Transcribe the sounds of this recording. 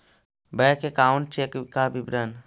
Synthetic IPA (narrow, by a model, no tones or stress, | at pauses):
bəjkekaːɳ̚t͡ʃekkabibɾən